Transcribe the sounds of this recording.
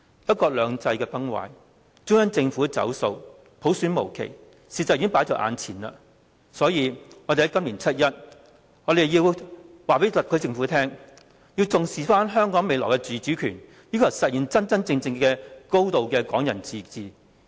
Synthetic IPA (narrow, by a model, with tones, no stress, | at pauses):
pɐ˥t̚kɔː˧k̚lœː˨˧ŋt͡sɐ˧jkɛː˧pɐ˥ŋwa̰ː˨˧j | t͡sʊ˥ŋɐ˥nt͡sɪ˧ŋfuː˨˥˧t͡sɐ̰˨˥wso˧w | pʰo˨˥wsyː˨˥nmo˨˩wkʰḛ˨˩j | siː˨˧tt͡sːɐ˨ji˧˥ŋpa˨˥jt͡ʃɔː˧˥ʔa̰ː˧nt͡sʰiː˨˩nɐ̰˧ | sɔː˨˥jiː˨˧ŋɔː˨˧e˨jɐ˨˦jkɐ˥mliː˨˩nt͡sʰɐ˥t̚jɐ˥t̚ | ŋɔː˨˧d̪e˨˩jjiː˧w | waː˨˩pe˨˥t̪ɐ˨p̚kʰɵ˨˧ɥt͡sɪ˧ŋfuː˨˥t̪ʰɛː˥ŋ | jiː˧wt͡sʊ˨ŋsiː˨faː˥nɦœː˥ŋkɔː˨˥ŋme˨˧jlɔː˨˩wkɛ˧t͡ʃyː˨˧t͡syː˨˥kʰyː˨˩n | jyː˥kʰɐ˨˩w̚sɐ˨t̚ji˨nt͡sɐ˥nt͡sɐ˥nt͡sɪ˧ŋt͡sɪ˧ŋkɛː˧ko˥wt̪o˨wkɛː˧kɔː˨˥ŋjɐ̰˨˩nt͡siː˨t͡siː˨